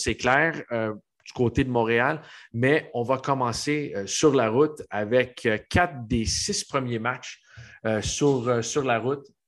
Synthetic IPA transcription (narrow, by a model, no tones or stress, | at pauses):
sɛklɛːʁø | d͡zykoːt̪ed̪əmɔ̃ːʁealmɛɔ̃vakɔmɑ̃seøsyʁlaʁʊt̪avɛkkʰːat̪̚d̪esɪspχəmjemat͡ʃ | øsyʁøsyʁlaʁʊt̪̚